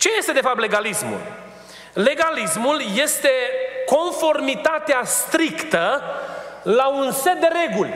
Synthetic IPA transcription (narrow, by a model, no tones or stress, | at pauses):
t͡ʃe̞je̞st̪e̞d̪efap̚t̪le̞ɡalismṵl | le̞ɡalismulje̞st̪e̞ko̞nfo̞rmit̪at̪east̪ɾikt̪ə | launse̞t̪̚d̪e̞ɾe̞ɡulʲ